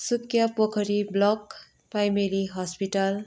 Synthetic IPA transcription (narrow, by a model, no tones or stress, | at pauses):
sukjapokʰʌɾiblʌk | pajmeliɦʌspiʈʌl